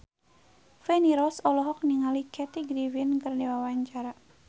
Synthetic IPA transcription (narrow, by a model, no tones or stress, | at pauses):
fɛniɾɔsɔlɔɦɔk̚niŋalikʰɛt̪iɡɾivinkɨrdiwawaɲt͡ʃaɾa